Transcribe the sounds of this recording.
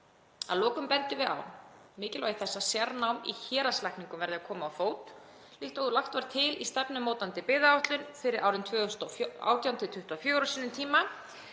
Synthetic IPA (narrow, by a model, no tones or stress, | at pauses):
a̰ðlɔːkʏmpɛnt̪ɪvɪða̰wmɪːcɪlvaːɣɪθɛsːasjaɾnawmḭçɛːɾaslahkniŋkʏmvɛɾðɪakʰɔːmaːwfoːwt̪ | lɪht̪owʏlaht̪vaɾ̥t̪ʰɪlist̪ɛpnʏmːoːwt̪ant̪ɪpɪːðaawht̪lʏnfɪɾɪɾʔaːwɾɪnt̪ʰvœːʏst̪ɔa̰ːwt̪jawnt̪ʰɪt̪ʰʏht̪ʏafjoːɾɔsiːnʏmt̪ʰiːma